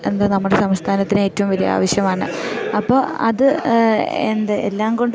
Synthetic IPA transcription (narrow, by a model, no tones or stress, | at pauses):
e̞nd̪anɐmːuɽe̞sɐmst̪ʰaːnɐt̪ːinɨeːtːɐʋumʋɐɾija̰ːʋɐɕjɐmaːɳɨɐpːoːɐðɨ | end̪ɐelːaːmko̞ɳɖ